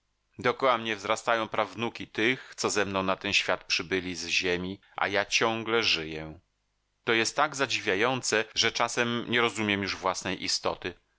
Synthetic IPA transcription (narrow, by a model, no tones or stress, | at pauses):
d̪ɔkɔwamɲɛvzɾast̪ajɔ̃w̃pɾavnukʲit̪ɘxt̪sɔzɛmnɔ̃w̃nat̪ɛnɕfʲjat̪pʂɘbɘlʲizʑemʲi | ʔa̰jat͡ɕɔ̃ŋɡlɛʐɘjɛ | t̪ɔjɛst̪ːaɡzad͡ʑivʲjajɔnt̪sɛʐɛt͡ʂasɛmɲɛɾɔzumʲjɛmjuʐvwasnɛjʔist̪ɔ̰t̪ɘ